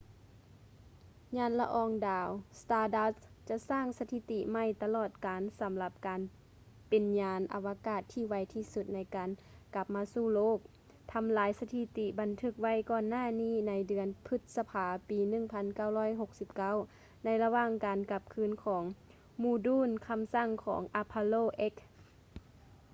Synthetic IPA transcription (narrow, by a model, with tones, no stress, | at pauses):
ɲaː˧˥˨nla̰˧ʔɔː˧˩ŋdaː˨˧wst̪aː˧da˧t͡ɕa˧˨ʔsaː˧˥˩ŋsa˧t̪ʰi˧˥t̪i˧ma˧˩˨jt̪a˧lɔː˧˩t̪̚kaː˨˦nsa˨˦mla˧p̚kaː˨n | pe˨nɲaː˧nʔa̰˨˧wa˧kaː˧˩t̪ʰːiː˧˩wa˧jt̪ʰiː˧˩su˧˩t̪̚na˧jkaː˨nka˧p̚maː˧suː˧˩loː˥˩k̚ | t̪ʰa˧˦mlaː˨˦jsa˧t̪ʰi˧˥t̪i˧ba˨nt̪ʰɯ˧˩k̚wa˧˥˨jkɔː˧˩nːaː˧˥˩niː˧˥˩na˨˧˦jdɯ˩ənpʰɯ˧˥t̪̚sa˧pʰaː˨˧piː˨˦nɯ˧˩˨ŋpʰa˧˥nka˧˩˨whɔː˧˥˨jɦo˧k̚si˧˦p̚ka˧˥˨w | na˧˥jla˧waː˧˥˨ŋkaː˨nka˧p̚kʰɯː˧˥˨nkʰɔː˩˦ŋ | muː˧˩˨duː˧˥˨nkʰa˧˥msa˧˩˨ŋkʰɔ̰ː˩˦ŋʔa˧pʰːa˧loː˧˨ʔe˦˥k